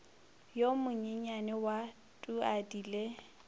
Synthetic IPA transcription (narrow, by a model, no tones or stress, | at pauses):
jomʊɲɪɲanɛwa | tʼuadiːle